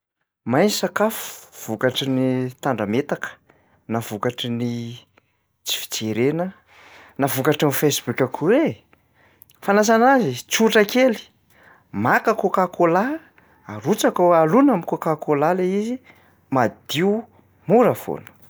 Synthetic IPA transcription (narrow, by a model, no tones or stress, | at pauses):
majnsakafu̥v̥ukaʈ͡ʂənit̪aɳɖ͡ʐamet̪akə̥ | nav̥ukaʈ͡ʂəni | t͡si̥fi̥t͡seɾenə | navukaʈ͡ʂamifesbukʲakʰuwe | fanas̬anazit͡suʈ͡ʂakeli̥ | makəkokakola | aɾut͡sakoalunamikokakolaleizi | mad̪̥iu | muɾafo̰nə̥